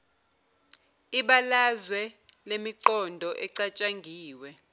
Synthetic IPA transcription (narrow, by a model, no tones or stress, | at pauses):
iɓalazwɛlemiǃɔndʱɔʔɛǀat͡ʃʼaŋɡʱiːwɛ